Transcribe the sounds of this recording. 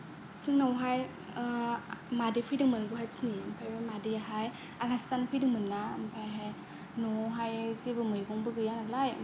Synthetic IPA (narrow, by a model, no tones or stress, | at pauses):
sɯŋnawɦaj | madipʰɯjdɯŋmɯnɡuhajsʰiniɯmpʰajbɯmadijaɦaj | akastanpʰɯjdɯŋmɯnːaɯmpʰajɦaj | nɔɦajzebɯmɯjɡɔŋbɯɡɯjanalaj